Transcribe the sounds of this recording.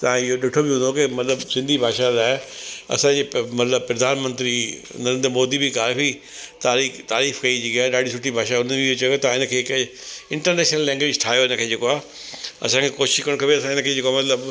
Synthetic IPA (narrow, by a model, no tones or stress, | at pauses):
t̪ɐãɪɦoɗɪʈʰobɪɦũːnd̪okemɐt̪ləbsɪ̃nd̪ʱibʱaːʃaɾaːeɐ̰sãd͡ʑeːmɐt̪ləbpɾɐd̪ʱaːnmə̃nt̪ɾi | nɐɾẽnd̪ɾmoːd̪ibʱikaːfi | t̪aːɾiːt̪aːɾiːfkɐid͡ʑikaːɗaːɖʱisʊʈʰibʱaːʃaʊnəbɪot͡ɕɐjoet̪aãɪnəkʰeːk | ɪ̃ɳʈəɾnɛːʃnəlːɛ̃ːŋɡʋeːd͡ʑʈʰaːɦjoɪnə̆kʰeːd͡ʑeːkoaː | ɐ̰sãkʰekoːʃɪ̥ʃkɐɾɽ̃kʰɐbeɐsãɪnəkʰeːd͡ʑeːkoamɐt̪ləb